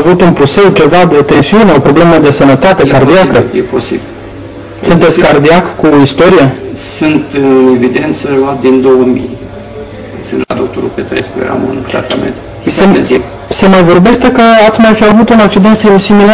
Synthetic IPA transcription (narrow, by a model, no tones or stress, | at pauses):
avut̪unpɾuse̞wt͡ʃe̞vad̪e̞t̪e̞nsiuneo̞pɾo̞ble̞məd̪e̞sənət̪at̪e̞kard̪iakəjeposḭbil | sunt̪et̪sʲkard̪iakkuist̪o̞ɾijesɨnt̪ɨnevid̪e̞nt̪səluat̪̚d̪ind̪owəmḭj | sɨ̰nt̪la̰d̪ok̚t̪oɾṵpet̪ɾḛjspejḛɾa̰mṵnt̪ɾa̰t̪amḛnt̪ | se | se̞majvo̞rbe̞ʃt̪e̞kəat̪sʲmajfiavut̪unak̚t͡ʃid̪e̞nt̪simsimila